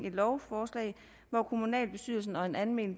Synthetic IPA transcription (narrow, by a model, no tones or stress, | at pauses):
e̝d̥lɒʊfɒːslɛ̰ɪ | ʋɒkʰumunɛ̰ːlb̥e̝sy̰ð̰ˠl̩sn̩ɒ̽e̝nænmḛːl